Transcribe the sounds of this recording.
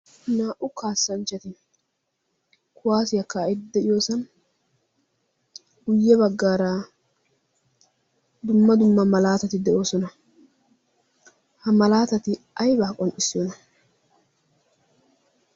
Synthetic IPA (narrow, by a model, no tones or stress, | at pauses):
naːʔʊkaːsːɐnt͡ʃːɐt̪ɪ | kʰʊwaːsɪjɐkːaːɪd̪ːɛɪjo̞ːsɐn | ʊjːɛbɐɡːaːɾaː | d̪ʊmːɐd̪ʊmːɐmɐlaːt̪ɐt̪ɪd̪ɛʔo̞ːsɔnɐ | hɐmɐlaːt̪ɐt̪ɪ | ɐjbaːkʼɔnʔɪsːɪjɔnɐ